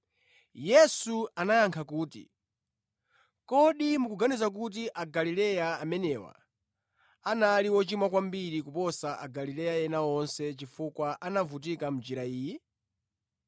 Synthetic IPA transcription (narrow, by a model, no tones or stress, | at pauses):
jɛsuanajaŋkʰakuːtḭ | kɔɗimukuɡanizak̬ut̬iʔaɡalilɛjaːmɛnɛwa̰ | analiwɔt͡ʃimakwambiɾikupɔsaʔa̰ɡalilɛjajɛnaɔnsɛt͡ʃifukwaʔanavut̬ikam̩d͡ʒiɾaiːjɛ